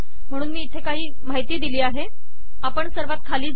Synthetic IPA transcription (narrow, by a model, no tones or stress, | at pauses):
m̤əɽ̃uːnmiːt̪ʰekaɦiː | maɦit̪iːd̪iliːaɦe | apəɳsəɾʋat̪̚kʰaliːd͡z